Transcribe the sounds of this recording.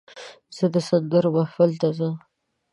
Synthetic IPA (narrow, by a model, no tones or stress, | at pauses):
z̥əd̪əsanɡ̪əɾobafəlt̪azə